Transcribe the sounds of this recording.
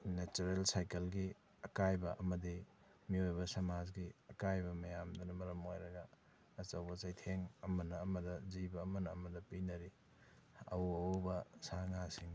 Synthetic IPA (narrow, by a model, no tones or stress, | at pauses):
net͡ʃuɾelsajkɐlɡi | ɐkajbɐʔɐmɐdi | miojbɐsɐmad͡ʒɡiɐkajbɐmɐjamdɐnɐmɐɾɐmo̰jɾɐɡɐ | ɐt͡ʃɐwbɐsajtʰeŋɐmɐnɐːmɐdɐzibɐːmɐnɐːmɐdɐpinɐɾi | ɐ̰wuɐbɐsaŋasiŋ